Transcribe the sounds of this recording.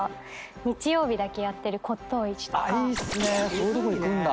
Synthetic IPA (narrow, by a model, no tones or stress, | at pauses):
ɲ̟it͡ɕijo̞ːbʲid̪ake̞jat̪ːe̞ɾɯ̟kʰo̞t̪ːo̞ːit͡ɕi̥t̪oisɨnesoːd̪okoikɯ̃nd̪a